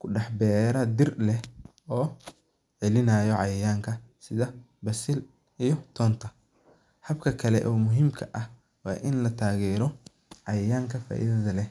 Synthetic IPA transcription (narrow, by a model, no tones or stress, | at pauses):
kʰʊɖɑħbɛːɾɐd̪ɪrlɛh | ɔː | ʕɛlɪnɐːjɔʕɑjɪjaːŋkʰɐsɪðɐ | bɐsɪl | ijɔt̪ʰɔːnt̪ʰɐ | hɐbkʰɐkʰɐlɛ̰ʔɔːmʊɦiːmkʰɐʔɐh | wɑ̰ːʔɪnlɐt̪ʰaːɣɛːɾɔ | ʕɑjɪjaːŋkʰɐfa̰ːʔḭðɐðɐlɛ